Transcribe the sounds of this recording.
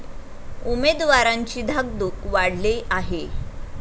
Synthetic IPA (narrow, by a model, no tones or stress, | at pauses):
umed̪ʋaɾaɲt͡ɕiːd̪ʱaɡd̪ukʋaɽleʔaɦe